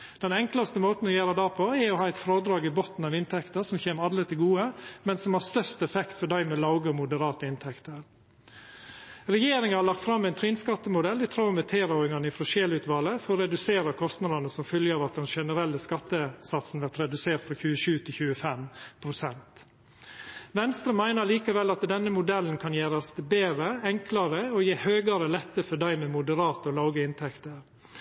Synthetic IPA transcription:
d̪̥ɛnɛŋklɑst̪əmoːt̪n̩ɔjeːɾɑd̪æːpʰɔɛɾɔhɑːɛɪt̪fɾoːd̪ɾɑːɡɪbɔt̪n̩ɑʋɪnt̪ʰɛkt̪əɾʂɔmçeːmɑd̪ɾət̪ʰɪlɡuːəmɛnsɔmhɑst̪œɾst̪ɛfɛkt̪fɔɖæɪmɛlɑʊɡəɔmʊd̪əɾɑːt̪əɪnt̪ʰɛkt̪əɾ | ɾɛjeːɾɪŋɑhɑɭɑk̚t̪fɾɑmːɪnt̪ʰɾinskɑt̪ːəmʊd̪ɛld̪ɪt̪ʰɾɑʊmɛt̪ʰeːɾɑʊɪŋɑnəɪfɾɔʂeːlʉt̪ʋɑːləfɔɾɔɾɛd̪ʉseːɾɑkʰɔst̪nɑd̪ɑnəsɔmfœljəɑːʋɑt̪̚d̪ɛnʂɛnəɾɛlːəskɑt̪ːəsɑt̪sn̩ʋæt̪ɾɛd̪ʉseːɾt̪fɾɑçʉːəʃʉːt̪ʰɪlçʉːəfɛmpʰɾʊsɛnt̪ | ʋɛnst̪ɾəmæɪnəɭiːkəʋɛlːɑt̪d̪ɛnːəmʊd̪ɛln̩kʰɑnjæːɾɑsbeːɾəɛŋklɑɾəojeːhøːɡɑɾəlɛt̪ːəfɔɖæɪmɛmʊd̪əɾɑːt̪əɔlɑʊɡəɪnt̪ʰɛkt̪əɾ

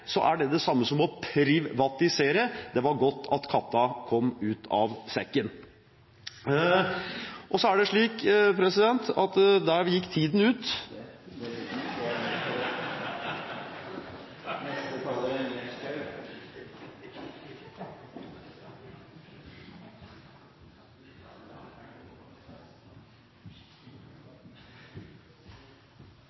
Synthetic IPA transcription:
sɔ̰ʔæɖɛd̪ɛsɑmːəsɔmɔpʰɾɪʋɑt̪ɪseːɾəd̪ɛʋɑɾɡɔt̪ːɑt̪kʰɑt̪ːɑkʰɔmːʉːt̪ʰɑ̰ʋsɛkːən | ʔɔsɔæɖɛʂɭiːkpʰɾɛsɪd̪ɛnt̪ɑt̪d̪æjɪkːt̪ʰiːd̪n̩ʉːt̪ | nɛst̪əkʰɑlːə

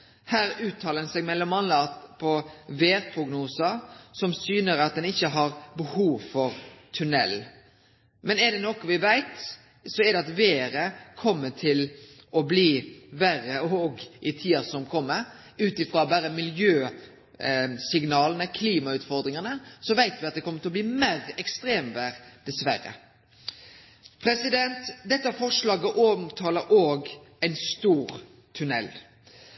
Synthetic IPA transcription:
hæːɾʉːt̪ʰːɑːlənsɛɡmɛlːɔmɑnlɑt̪pʰɔʋeːɾpʰɾʊɡnuːsəsɔmsyːnəɾɑt̪̚d̪ɛnɪçːəɦɑɾbəhuːʋfɔɾt̪ʰʉnɛ̰l | mɛnɛɖ̪ɛnɔkɔʋɪʋæɪt̪ | sɔɛdɛɑt̪ʋeːɾəkʰɔmːəʈʰɪl | ʔɔbliːʋæɾəɔɡʔɪt̪ʰiːɑsɔmkʰɔmːəɾ | ʉːt̪ɪfɾɑːbæɾəmɪljøː | sɪŋnɑːlənəkʰliːmɑʉːt̪fɔɾd̪ɾɪŋənəsɔʋæɪt̪ʋɪɑt̪̚d̪ɛkʰɔmːət̪ʰɪlɔbliːmeɾɛkst̪ɾeːmʋæɾd̪̥ɛsʋæɾə̰ | pʰɾɛsɪd̪ɛnt̪d̪ɛt̪ːəæfɔʂlɑːɡəʔoːmt̪ʰɑːləʔoːɡæɪnst̪uːɾ | t̪ʰʉnɛ̰l

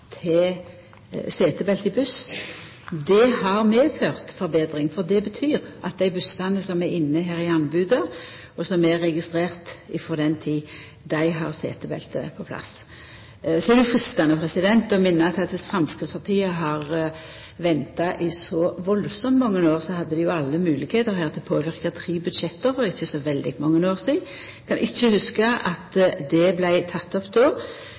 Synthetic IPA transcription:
t̪ʰɛ | seːt̪əbɛlt̪ɪbʉs | d̪ɛhɑʁmeːføːʁt̪fɔɾbeːd̪ɾɪŋfɔʁd̪ɛbət̪ʰyːɾɑt̪̚d̪æɪbʉsɑnəsɔmæɾɪnːəɦæːɾɪɑnbʉːd̪ə | ɔsɔmæʁːɛɡɪst̪ʁeːʁt̪ɪfɔʁd̪ɛnt̪ʰiː | d̪æɪɦɑʁsḛːt̪əbɛ̰lt̪ə̰pʰɔpʰlɑ̰s | sɔd̪ɛjʊfɾʁɪst̪ɑnəpʰʁɛsɪd̪ɛnt̪ɔmɪnːəɑt̪ʰɪlɑt̪ʋɪsfɾɑmskɾɪt̪spʰɑʁt̪ʰiːəɦɑʁ | ʋɛnt̪ɑʔɪsɔʋɔlsɔmmɔŋːənoːʁsɔhɑd̪ːəd̪ɪjʊɑlːəmʉːlɪkheːt̪əɾhæːʁt̪ːɛpʰoːʋɪʁkɑt̪ʰɾiːbʉd̪ʃɛt̪ːəɾfɔɾɪçəsɔʋɛld̪ɪɡmɔŋːənoːʁsiːɡ̪ | kʰɑnʔɪçːəhʉskəʔɑt̪d̪ɛblæɪt̪ʰɑt̪ːɔpːd̪oː

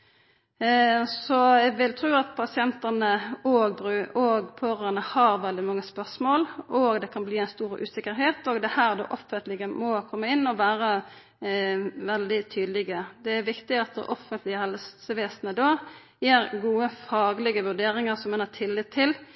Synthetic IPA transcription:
sɔɛɡʋɪlt̪ʰɾuːɑt̪̚pʰɑsɪɛnt̪ənəoːɡbʁʉːʔoɡpʰøːɾənəhɑɾʋɛld̪ɪmɑŋːəspœʁsmoːlʔoɡd̪ɛkʰɑnbliːæɪnst̪uːɾʔʉ̰ːsɪkːəɾɦeːt̪oːɡd̪ɛhæːʁd̪o̰ːʔɔfənt̪lɪɡəmɔkʰɔmːəɪnːɔʋæːɾə | ʋɛld̪ɪt̪ʰyːd̪lɪɡəd̪ɛæɾʋɪkt̪ɪɑt̪̚d̪ɛ̰ʔɔfənt̪lɪəhɛlssəʋeːsnəd̪oː | jeːɾɡuːəfɑːɡlɪɡəʋʉɾɖeːɾɪŋəɾsɔmːɛnhɑt̪ʰɪlːɪt̪ʰːɪl

